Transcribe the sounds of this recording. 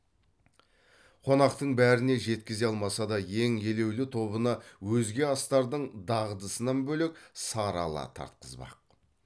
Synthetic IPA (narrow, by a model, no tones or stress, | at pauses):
qʰo̞nɑqt̪əɴbæɾɪne̞ʒe̞t̪kʲɪze̞ɑlˠmɑsɑd̪ɑje̞ŋe̞le̞wlɪt̪ʰo̞βənɑwɵzɡʲe̞ɑst̪ɑɾd̪əɴd̪ɑʁəd̪əsənɑnbɵle̞k̚sɑɾɑ̰lˠɑ̰t̪ʰɑ̰ɾt̪̚qəzbɑ̰q̚